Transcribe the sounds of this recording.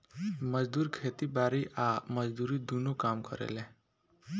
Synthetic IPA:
məd͡ʒd̪uːɾkʰeːt̪ibaːɾiʔaməd͡ʒd̪uːɾid̪unokaːmkəɾḛlẽ

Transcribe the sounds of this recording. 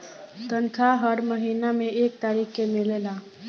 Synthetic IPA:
t̪ənkʰaɦəɾməɦiːnamẽeːk̚t̪aːɾiːkːemɪlelaː

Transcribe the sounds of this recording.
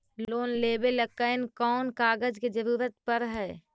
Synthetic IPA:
loːnleːbeləkːəɪnkɔːnkaːɡəd͡ʒked͡ʒəɾuːɾət̪̚pəɾɦɛː

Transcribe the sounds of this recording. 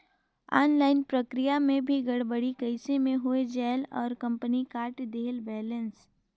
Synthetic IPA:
ɔːnlaːɪnpɾəkɾijamẽbʱiɡɐɽbəɽikɐɪsemẽɦʊed͡ʒɛːlɔ̰ːɾkɐ̃mpənikaːɾʈd̪eːlbɛːlə̃ns

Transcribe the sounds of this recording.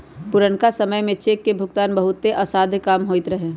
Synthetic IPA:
pʊɾəɳkasəməjmẽt͡ʃeːkːebʱʊɡt̪aːnbəɦʊt̪ːeʔɐsaːd̪ʱkaːmɦoːɪt̪ɾəɦẽː

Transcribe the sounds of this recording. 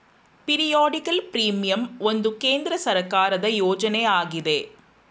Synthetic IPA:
pɪɾɪjaːɽɪkɐlpɾiːmɪjɐmɔnd̪ɯkeːnd̪ɪɾɐsɐɾɐkːaːɾɐðɐjoːd͡ʒɐneːaːɣɪðeː

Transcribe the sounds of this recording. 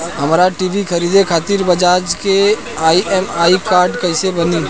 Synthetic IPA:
ɦəmɾaʈiːʋikʰəɾiːd̪ekʰaːt̪iɾbəd͡ʒaːd͡ʒke | aːiʔɛːmaːikaːɾɖkəɪsebəni

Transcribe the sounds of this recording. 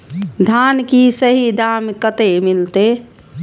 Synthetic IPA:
d̪ʱankisəɦid̪aːmkət̪emilt̪e

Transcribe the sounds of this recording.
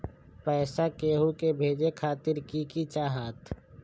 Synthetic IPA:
pɛːsakeːɦukebʱeːd͡ʒekʰaːt̪ɪɾkikit͡ʃaːɦaːt̪ʰ

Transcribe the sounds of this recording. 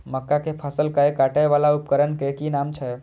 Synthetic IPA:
məkːakepʰəsəlkaekaʈajʋalaupkəɾənkekinamt͡ʃʰɛ

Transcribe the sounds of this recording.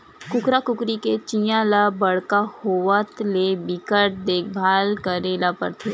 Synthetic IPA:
kʊkɾakʊkɾiket͡ʃĩjãlabəɽkahoʋət̪lebɪkəʈ̚d̪eːkʰbʱaːlkəɾeːlapə̰ɾt̪ʰeː

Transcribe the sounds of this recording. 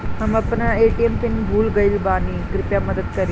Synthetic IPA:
ɦaməpnəeʈiemt̪inbʱuːlɡəilbanikɾɪp̪jaməd̪əd̪kəɾi

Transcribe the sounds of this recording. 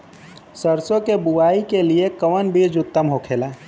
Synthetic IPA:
səɾsõkebuʋaːikeliekəʋənbʱid͡ʒʊt̪ːəmɦokʰeːlaː

